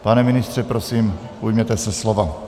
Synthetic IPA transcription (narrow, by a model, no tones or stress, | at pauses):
panɛmɪnɪst̪r̥ɛpɾosiːm | ujmɛt̪ɛsɛslova